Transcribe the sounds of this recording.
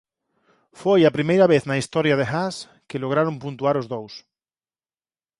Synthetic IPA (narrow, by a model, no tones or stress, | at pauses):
fwejapɾimejɾaβeθnaist̪oɾjað̞exas | keloɣ̞ɾaɾompũnt̪uaɾozðows